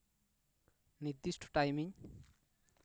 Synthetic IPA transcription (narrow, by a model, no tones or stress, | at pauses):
nid̪isʈʰʈajmiɲ